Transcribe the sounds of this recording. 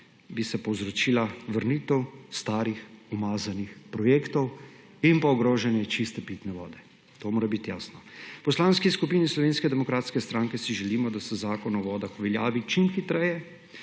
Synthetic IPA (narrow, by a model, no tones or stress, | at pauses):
bisɛpɔwzɾɔt͡ʃiːlaʋəɾniːt̪ɛwst̪aːɾixɔmaːzanixpɾɔjeːkt̪ɔw | inpaɔɡɾoːʒɛnjɛt͡ʃist̪ɛpit̪nɛʋɔ̰ːd̪ɛ | t̪oːmoːɾabit̪jaːsnɔpɔslaːnskiskupiːnislɔʋeːnskɛd̪ɛmɔkɾaːt̪skɛst̪ɾaŋkɛsiʒɛliːmɔd̪asɛzaːkɔnɔʋɔːd̪axɔʋɛljaːʋit͡ʃimxit̪ɾɛjɛ